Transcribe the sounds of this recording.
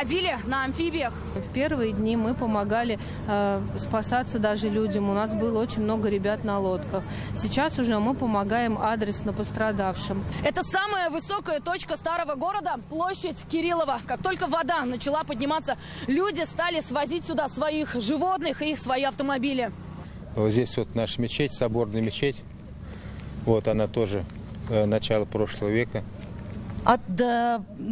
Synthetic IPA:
ɐdʲilʲɪnəɐnfʲibʲɪjəx | fpʲe̞rvɨjədʲnʲimɨpəmaɡalʲɪ | spasat̪səd̪aʐɨlʲudʲəmʊnas̬bɨlˠəot͡ɕɪnʲmno̞ɡəɾʲɪbʲat̪nɐlˠot̪kəx | sʲɪt͡ɕasʊʐɛmɨpəmaɡajɪmad̪ɾʲɪsnəpəst̪ɾɐd̪afʂɨmɛt̪əsaməjəvɨso̞kəjət̪o̞t͡ɕkəst̪aɾəvəɡo̞ɾəd̪əplˠoɕːɪtʲkʲɪɾʲilˠəvəkak̚t̪o̞lʲkəvɐd̪anət͡ɕɪlˠapədʲnʲɪmat̪sːə | lʲudʲɪst̪alʲɪsvɐzʲitʲsʲʊd̪asvɐixʐɨvo̞t̪nɨxisvɐiɐft̪əmɐbʲilʲɪ | ozʲdʲesʲvot̪naʂəmʲɪt͡ɕetʲsɐbo̞rnəjəmʲɪt͡ɕetʲ | vo̞t̪ɐnat̪o̞ʐɨ | nɐt͡ɕalˠəpɾo̞ʂlˠəvəvʲekə | ɐd̪ə

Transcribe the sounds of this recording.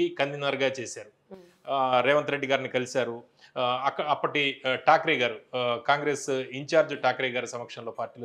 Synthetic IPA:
ikɐnd̪inaːɾɡaːt͡ʃeːsaːɾu | ɾɛːʋɐnt̪ɐɾeɖːiɡaːɾinikɐlisaːɾu | ɐkːɐɐpːɐʈiʈaːkɾɛɡaːɾukaːŋɡɾeːsiɲt͡ʃaːɾd͡ʒuʈaːkɾɛːɡaːɾɐsɐmɐkʂɐnlo̞ːpaːɾʈiːl

